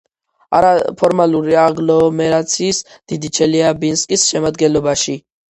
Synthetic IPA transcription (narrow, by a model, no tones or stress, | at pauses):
a̰ɾapʰɔɾmaluɾiaɡlɔmɛɾat̪sʰiːs | d̪̥id̪it͡ʃʰɛliabinskʼisʃɛmad̪ɡɛnlɔbaʃi